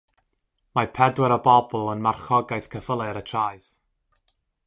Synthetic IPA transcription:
mapʰɛdwɛɾəbɔbʊlˠənmarχɔɡajθkʰəfəlˠɨɾətʰraːɨð

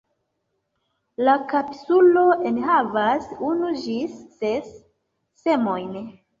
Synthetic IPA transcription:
lakapsulo̞enɦavasunud͡ʒisːesː | e̞mo̞jn

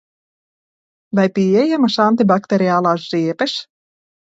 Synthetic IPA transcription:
vajpʲiɛjæmɐʃant̪ibakt̪eɾʲiaːlˠaːziɛpɛʃ

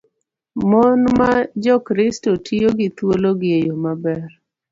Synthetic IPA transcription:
mɔnmad͡ʒɔkɾɪstotʰijoɡɪt̪woloɡɪjejomabɛr

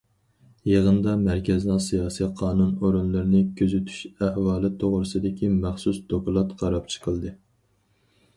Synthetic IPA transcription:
jeʁənd̪ɑmæɾkʲɛznɨsijɑːsiqʰɑːnunoɾunlˠɨɾnɪkʲʰøzyt̪ʰy̥ʃæhwɑːlˠɨt̪ʰoʁɾɨsɨd̪ɪkʲʰimæχsusd̪okulˠɑt̪qʰɑɾɑp̚t͡ʃʰə̥qʰəlˠd̪ɨ

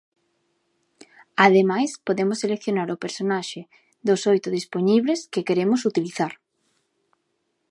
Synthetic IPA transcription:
aðemajspoðemʊsːelekθjonaɾʊpeɾsonaʃɪ | ðosojt̪ʊðispoɲiβleskekeɾemʊsut̪iliθaɾ

